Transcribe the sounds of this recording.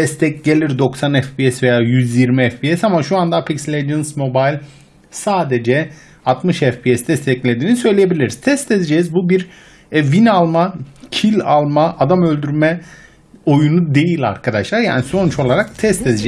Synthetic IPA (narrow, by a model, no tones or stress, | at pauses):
d̪ɛst̪ʰɛcɟe̞lʲiɾd̪o̞ksanɛfpiɛsve̞jaːjyzjiɾmiɛfpiɛsamaʃuand̪apʰikslʲedɯnsmo̞bajlʲ | saːd̪ed͡ʒɛ | at̪mɯʃɛfpiɛst̪ɛst̪ʰɛclʲe̞d̪iːnisø̞jlʲejebilʲiɾiz̥t̪ʰɛst̪ʰezed͡ʒɛzbubiɾ | vinalˠmacʰilʲalˠmaʔad̪amø̞lʲd̪yɾmɛ | o̞junud̪e̞jilʲa̰ɾkʰad̪aʃlˠaɾja̰ːniso̞nut͡ʃʰo̞lˠaɾak̚t̪ʰɛst̪ʰɛzd͡ʒɛ